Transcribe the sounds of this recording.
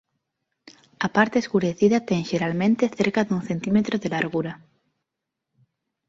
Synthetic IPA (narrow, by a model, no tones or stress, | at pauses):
ɐpaɾt̪eːskuɾeθiðɐt̪ɛŋʃeɾalmẽnt̪eθeɾkɐðuŋθent̪imet̪ɾoðelaɾɣuɾɐ